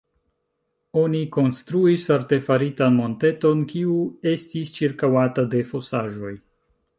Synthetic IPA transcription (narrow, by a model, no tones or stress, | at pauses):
o̞niko̞nstɾuisaɾte̞faɾitanmo̞nte̞to̞nkiue̞stist͡ʃiɾkawatade̞fo̞saʒo̞j